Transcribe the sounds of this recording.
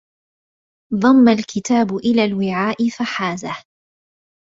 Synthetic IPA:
ðˤɑmːalkɪt̪aːbʊʔɪlaːlwɪʕaːʔɪfaħaːzah

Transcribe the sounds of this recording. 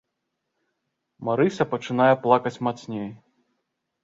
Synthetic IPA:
maɾɨsʲɐpɐt͡ʂɨn̪ajɛplˠakɐt͡sʲmat̪snʲej

